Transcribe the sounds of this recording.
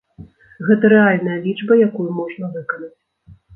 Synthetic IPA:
ɣɛt̪ɐɾɛalʲnɐjɐlʲit͡ʂbɐjakujumɔʐnɐvɨkɐnɐt͡sʲ

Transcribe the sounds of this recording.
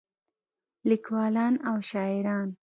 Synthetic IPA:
likwɑlɑnawʃɑɪɾɑn

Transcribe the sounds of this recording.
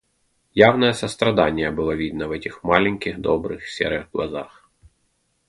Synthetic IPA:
jɑwnɐjɛsɐst̪ɾɐd̪ɑnʲjɐbɨlˠɔʋʲid̪̚nɐʋɛtʲixmɑlʲɛnʲkʲɪɣd̪ɔbɾɪxsʲɛ̰ɾɪɣɡlˠɐ̰zɑx

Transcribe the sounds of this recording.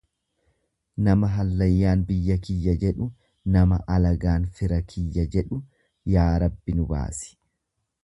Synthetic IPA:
nɐmɐɦɐlːɐjːaːnbɪjːɐkɪjːɐd͡ʒɛᶑʊ | nɐmɐʔɐlɐɡaːnfɪɾɐkʰɪjːɐd͡ʒɛᶑʊ | jaːɾɐbːɪnʊba̰ːsɪ̥

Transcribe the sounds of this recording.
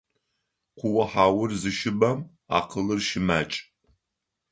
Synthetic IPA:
qʷʊwɐħaːwʊrzɨʃɪbɐm | a̰ːqəlɨrʃɪmaːt͡ʃʼ

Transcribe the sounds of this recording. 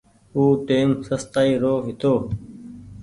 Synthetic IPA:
uːʈeːmsəst̪aːiːɾoːɦɪt̪oː

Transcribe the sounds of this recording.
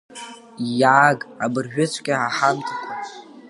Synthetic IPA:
jaʕaːɡabɨrʒᶣʊt͡ʃʷʰkʲʼaʕaħamtʰʼakʷʼ

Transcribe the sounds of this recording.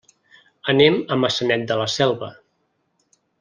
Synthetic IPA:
ənɛməməsənɛt̪̚d̪ələsɛlˠβə

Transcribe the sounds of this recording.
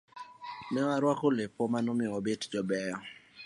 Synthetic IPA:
nɛwaɾwakolɪpɔmanomɪɔbɪtd͡ʒɔbɛjɔ

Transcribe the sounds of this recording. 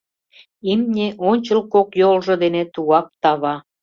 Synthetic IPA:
imnʲeʔonʲt͡ɕə̆lkokjolʒɤ̆d̪enet̪uɑp̚t̪ɑβɑ

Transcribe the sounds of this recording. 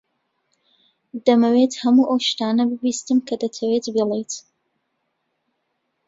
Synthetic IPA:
d̪ɐmɐwet̪hɐmuːʔɐwʃt̪aːnɐbɨbiːst̪ɨmkʰɐd̪ɐt̪ʰɐwet̪bilˠejt̪

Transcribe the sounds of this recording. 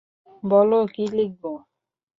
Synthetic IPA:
bɔlokilek̚bɔ

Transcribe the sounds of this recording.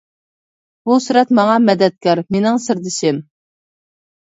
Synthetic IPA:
busuɾɛt̪mɑŋɑmɛd̪ɛt̪̚kʲɑɾmenɪŋsɨɾd̪ɪʃɪm

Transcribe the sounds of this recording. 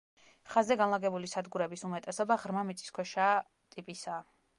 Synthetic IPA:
χazɛɡanlˠaɡɛbulisad̪ɡuɾɛbisumɛt̪ʼɛsɔbaʁɾmamit̪sʼi̥skʰwɛʃa | t̪ʼipʼisa

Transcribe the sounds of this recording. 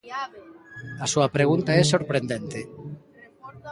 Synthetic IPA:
asuɐpɾeɣ̞unt̪aɛsoɾpɾend̪ent̪e

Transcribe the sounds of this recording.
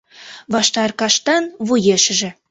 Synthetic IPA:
βɑʃt̪ɑrkɑʃt̪ɑnβujeʃɘ̆ʒɘ̆

